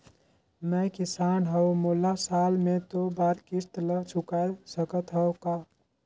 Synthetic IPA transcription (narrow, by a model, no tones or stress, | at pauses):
mɛkisaːnɦəomolasaːlmet̪obaːɾkiɾt̪lət͡ʃʰukaesəkət̪ɦəwka